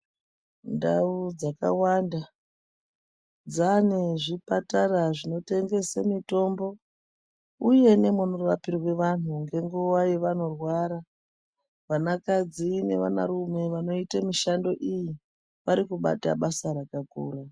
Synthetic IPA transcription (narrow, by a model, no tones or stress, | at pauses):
nda̰ud͡zaka̰waːnda | d͡zane̞ʐipataraʐino̞te̞ŋɡe̞semito̞mbo̞ | uje̞ne̞munorapirwe̞ʋan̤uŋɡe̞ŋɡuwaje̞ʋano̞rwaɾa | ʋanakad͡zine̞̰ʋa̰na̰rume̞ʋano̞itamiʃando̞ʔiji | ʋaɾikuɓa̰ta̰ɓasaɾakakṵːra